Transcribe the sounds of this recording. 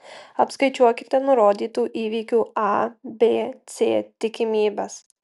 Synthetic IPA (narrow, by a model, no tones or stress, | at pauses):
ɐpskɐɪt͡ʃʲuɔkʲɪt̪ʲɛnʊɾoːd̪ʲiːt̪uːʔiːʋʲiːkʲuːɑbʲeːt̪sʲeːt̪ʲɪkʲɪmʲiːbʲɛs